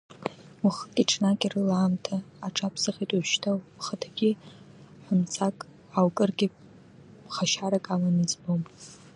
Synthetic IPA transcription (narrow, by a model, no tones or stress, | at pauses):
wuχətʼiʈ͡ʂʰnakʲʼirɨlaːmtʰaːʈ͡ʂʰʼapʰsɨχʲitʼuʃtʰawχətʰɡʲi | ħʷʊmt͡sʰakʼ | awkʼɨrɡʲɪ | χaʃaɾakʼalanɨd͡zbom